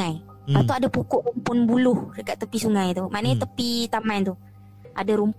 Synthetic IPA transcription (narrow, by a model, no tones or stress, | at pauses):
aj | pat̪uadapukʊʔrumpʊnbulʊhdəkaʔt̪ːəpisuŋãjt̪umanət̪əpit̪amãnt̪uh | adaɾump